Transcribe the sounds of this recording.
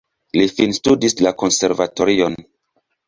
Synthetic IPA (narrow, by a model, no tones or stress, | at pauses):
lifinstudislako̞nseɾvato̞ɾion